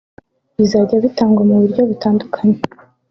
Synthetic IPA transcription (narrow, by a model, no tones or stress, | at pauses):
βizaɾɟaβitaːŋɡwamuβuɾɟo̞βitaːndukʰaɲe